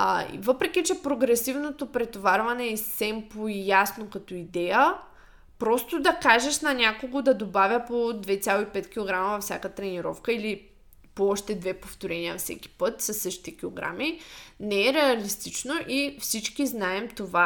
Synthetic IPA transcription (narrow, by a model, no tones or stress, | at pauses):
ḭvɤpɾɛk̟ʲit͡ʃɛpɾoɡɾɛsivnot̪opɾɛt̪ovaɾvɐnɛissɛmpoijasnokɐt̪ɔid̪ɛjə | pɾɔst̪od̪ɐkaʒɛʃnɐnʲakoɡod̪ɐd̪obavʲjəpod̪vɛt͡s̪ʲjalˠoipɛt̪kʲilˠoɡɾamɐvɐfsʲjakət̪ɾɛniɾɔ̰fkəili | poɔʃt̪ɛd̪vɛpoft̪oɾɛniəfsɛ̰kʲi̥pɤt̪sɐsːɤʃt̪i̥t̪ɛkʲilˠoɡɾa̰minɛɛɾɛɐlist̪it͡ʃnoʔifsit͡ʃkiznaɛmt̪ova